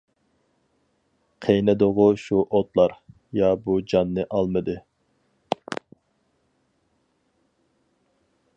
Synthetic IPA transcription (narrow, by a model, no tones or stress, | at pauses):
qʰejnɪd̪ʊʁʊʃuʔot̪lˠɑɾ | jɑbud͡ʒɑnːɨʔɑlˠmɨd̪ɨ